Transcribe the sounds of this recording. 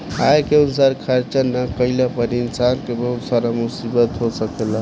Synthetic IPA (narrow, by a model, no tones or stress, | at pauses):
ajkeunsaɾkʰəɾt͡ʃənːəkəjlepəɾinsankebəɦut̪saɾamusibət̪ɦosəkelə